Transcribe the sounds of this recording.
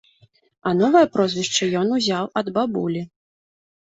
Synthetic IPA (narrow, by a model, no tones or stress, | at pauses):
ɐnɔvɐjɐpɾɔzʲvʲiʂt͡ʂɐjɔnuzʲawɐd̪babulʲi